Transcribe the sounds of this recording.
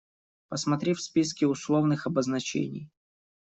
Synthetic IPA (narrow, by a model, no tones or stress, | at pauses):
pəsmɐt̪ɾʲefʲspʲis̬kʲɪʊslˠovnɨxɐbəznɐt͡ɕḛnʲɪ̰j